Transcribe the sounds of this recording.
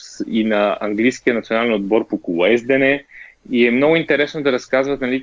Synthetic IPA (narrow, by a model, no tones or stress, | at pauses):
sinɐɐŋɡlʲijskiənt̪sionalɛnod̪̚bɔɾpokulˠɛzd̪ɛnɛiɛmnɔɡʊint̪ɛɾɛsnod̪ɐɾɐskazvət̪nɐlʲi